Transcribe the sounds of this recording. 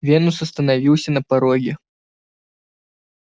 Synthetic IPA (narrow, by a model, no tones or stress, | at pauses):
vʲenusɐst̪ənavʲiwsʲɐnɐpaɾɔɡʲɪ